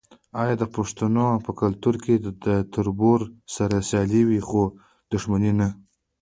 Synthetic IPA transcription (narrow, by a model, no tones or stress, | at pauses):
ɑjɑd̪əpaʂt̪anopəkalt̪uɾked̪ət̪ʰʊɾboɾsaɾasjɑliwixo | d̪ʊʂmanina